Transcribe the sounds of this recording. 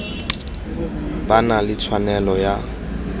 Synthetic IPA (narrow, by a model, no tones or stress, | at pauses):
banalɪt͡sʰwanɛlɔja